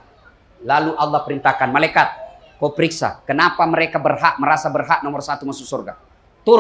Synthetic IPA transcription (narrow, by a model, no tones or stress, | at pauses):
laluʔalˠːɑhpəɾint̪akanmalakat̪̚ | kɔpəɾiksa̰kənapaməɾekabərɦaʔməɾasabərɦaʔnɔmɔrsat̪umasʊk̚sɔrɡa̰ | t̪ʊ